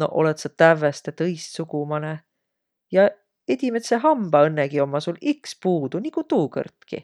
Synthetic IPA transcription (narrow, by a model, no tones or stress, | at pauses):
no̞̰ʔo̞̰lɛt̪sɑt̪ævːest̪et̪ɤjssukumɑne | jɑ | ed̪̥ʲimet̪seɦɑmb̥ɑɤnːeɡ̥io̞mːɑsulikspuːd̪̥unikut̪uːkɤ̰rt̪kḭ